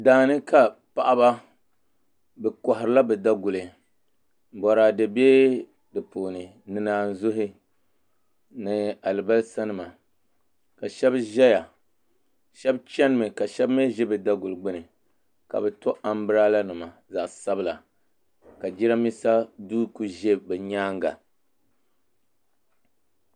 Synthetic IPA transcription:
daː˨nɨ˦ka˨pa˨ʔa˦ba˦ | bɛ˨kɔ˨ɦɪ˨ɾɨ˨˦la˦bɛ˨da˦ɡʊ˨lɨ˨ | bɔ˨ɾa˨dɨ˨beː˦ | dɨ˨poː˨nɨ˨ | nɨ˨naː˦n̩˦zʊ˦ɦɪ˦ | nɨ˨a˨lɨ˨ba˦lsa˦nɨ˨ma˨ | ka˨ʃɛ˦bʒɛ˦ja˨ | ʃɛ˦bt͡ʃɛ˦n˦mɨ˨ka˨ʃɛ˦bme˦ʒɛ˦bɨ˨da˦ɡu˨lɡ͡bɪ˦nɨ˨ | ka̰˨bɛ˨to˦ʔa˨m˦bɨ˦ɾa˦la˦nɨ˨ma˨za˨ʔsa˦bɨ˦la˨ | ka˨d͡ʒi˦ɾa˦mi˦sa˦duː˦ku˦ʒe˦bɛ˨ɲaː˦ŋɡa̰˨

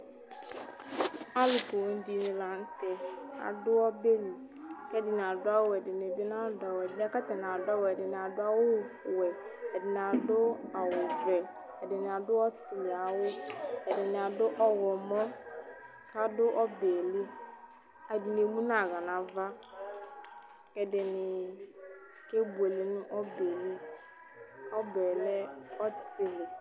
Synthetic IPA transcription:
a˦lʊ˨ko˨wo˦n̩˦d͡ʒi˦nɪ˨la˨n̩˦tɛ˨ | a̰˨dʊ˦ɔ˦be˦li˨ | kɛ˦dɪ˨n˨a˨dʊ˦a˦wɛ˨dɪ˨nɪ˨dɪ˦na˦dɔ˨wɛ˨dɪ˨nɛ˨ka˦tɛ˨n˨a˨dɔ˦wɛ˨dɪ˨n˨a˨dʊ˦a˦wʊ˦˨ | wɛ˨ | dɪ˨n˨a˨dʊ˦ | a˨wʊ˨vɛ˨ | ɛ˨dɪ˨nɪ˨a˨dʊ˦ɔ˦sti˨li˨a˨wʊ˦ɛ˨dɪ˨nɪ˨a˨dʊ˦ʔɔ˦wɔ˨mɔ˦ | ka˦˨dʊ˦ʔɔ˦bɛ˨li˦ | a˨dɪ˨n˨e˨mũ˦na˨ɣa˨na˨va˦ | kɛ˨dɪ˨nɪ˨ | ke˦be˨li˨˦n˦ʔɔ˦be˨li˦ | ɔ˦bɛ˨lɛ˦ | ɔ˦˨tɪ˦lɪ˨

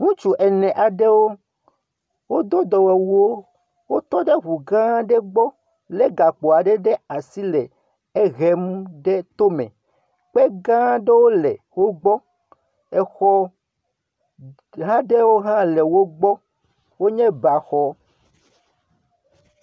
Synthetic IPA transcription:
ŋũ˦t͡ʃu˦ʔɛ˨nɛ̃˨ʔa˨ɖɛ˦wo˦ | wo˦d̪o˦d̪ɔ˨wɛ˨wu˦o˦ | wo˦t̪ɔ˦ɖe˦ɦu˨ɡã˦ɖɛ˦ɡ͡bɔ˦ | lɛ˦ɡa˨k͡po˨a˨ɖɛ˦ɖe˦a˨si˦lɛ˨ | e˦ɣɛ˦m˦ɖe˦t̪o˦mɛ̰̃˨ | k͡pe˦ɡã˦ɖe˦wo˦lɛ˨wo˦ɡ͡bɔ˦ | ɛ˦xɔ˦ | ɦã˦ɖe˦wo˦ɦã˦le˨wo˦ɡ͡bɔ˦ | wo˦ɲɛ̃˦ba˨xɔ˦

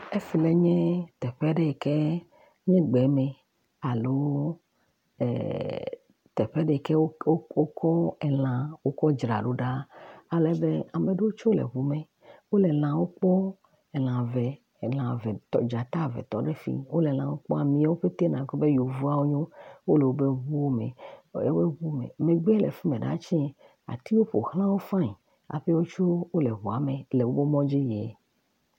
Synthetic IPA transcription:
e˦fi˨lɛ˦ɲɛ̃˦t̪ɛ˨ɸɛ˦ɖɛ˨kɛ˦ | ɲẽ˦ɡ͡bɛ˨˦mɛ̃˨ | a˨lo˦˨ | t̪ɛ˨ɸɛ˦ɖɛ˨kɛ˦wo˦kɔ˦ɛ˨lã˨wo˦kɔ˦d͡ʒɾa̰˨ɖo˦ɖa˦a˨lɛ˦be˦a˨me˨ɖe˦wo˦t͡ʃo˦lɛ̰˨βu˨mɛ̃˨ | wo˦lɛ˨l̃ã˨wo˦k͡pɔ˦ | ɛ˨lã˨vɛ˨ | lã˨vɛ˨t̪ɔ̰˨d͡ʒa˨t̪a˦vɛ̰˨t̪ɔ˨ɖe˦fḭ˦wo˦le˨lã˨wo˦k͡pɔ̰˦a˨mĩ˦a˦wo˦ɸe˦t̪e˦nã˨ɡo˦be˦jo˨vu˦a˦wo˦ɲõ˦wo˦le˨wo˦be˦ɦu˦o˦mḛ̃˨e˦be˦ɦu˦mḛ̃˨mẽ˨ɡ͡bɛ˦lḛ˨fi˦mẽ˨ɖa̰˦t͡ʃɛ˦ | a̰˨t̪i˦wo˦ɸo̰˨hl̃ã˦wo˦fã˦˨ɲi˨ | a̰˨ɸe˦wo˦t͡ʃo˦wo˦le˨ɦu˨a˨me˨le˨wo˦be˦mɔ̃˦d͡ʒe˦jɛ˨

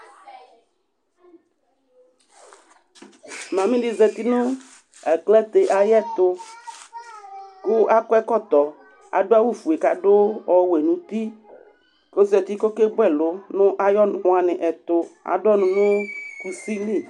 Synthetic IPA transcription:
mã˨mĩ˦ɖi˨zɛ˨t̪i˦nʊ̃˦ | ɛ˨klɛ˦t̪e˨ʔa˨jɛ˦t̪ʊ˦ | kʊ˦ʔa˦kɛ˦kɔ˦t̪ɔ˨ | a̰˨ɖo˦a˦wu˦fu˨e˨ka˨ɖo˦wɔ˨we˨nũ˨t̪i˦ | ko˦zɛ˨t̪i˦kɔ˦ke˦bɛ˦lʊ˨˦nʊ̃˦ʔa˨jɔ˦nʊ̃˨˦a˨nɪ̃˨ʔɛ˨t̪ʊ˨a̰˨ɖɔ˦nʊ̃˨nʊ̃˦ku˨si˦li˦˨

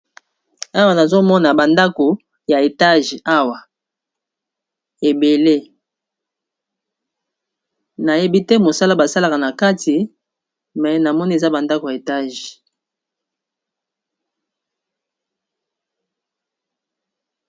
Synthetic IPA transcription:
a˦wa˨na˨zo˦mɔ˦na˨ba˨nda˦ko˨ | ja˨e˨ta˦ʒa˦wa˨ | e˨be˨le˦ | na˨je˦bi˦tɛ˦mo˨sa˦la˦ba˨sa˦la˨ka˨na˨ka˦ti˨ | mɛ˨na˨mɔ˦ni˦e˨za˦ba˨nda˦ko˨ja˨e˨ta˦ʒ

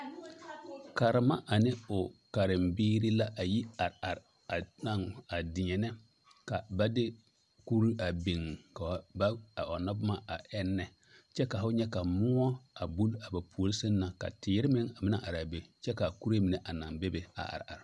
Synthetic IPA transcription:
ka˨ɾɪ˨ma˦ʔa˨nɪ˦ʊ˨ka˨ɾɪ˨mbiː˦ɾi˦la˦ʔa˨ji˦a˨ɾa˨ɾ | a˨na˦˨ŋa˨dɪ˨ɲɛ˨nɛ˦ | ka˨ba˦dɪ˦ | ku˦ɾi˦a˨be˨ŋ˨ka˨wba˦a˨ɔ˨na˦bʊ˦ma˦a˨ʔɛ˦nːɛ˨ | t͡ʃɛ˦ka˨fʊ˦ɲɛ˦ka˨mʊ˦ɔ˦a˨bu˦la˨ba˨pʰu˨o˨lsɪ˦nː˦a˨ka̰˨tɪ˨˦ɾɪ˦mɪ˦ŋa˨mɪ˦na˦ʔa˨ɾa˨be˨t͡ʃɛ˦ka˨ku˦ɾe˦mi˨nɛ˨ʔa˨na˨ŋbe˦be˨a̰˨ʔa̰˨ɾa̰˨ɾ

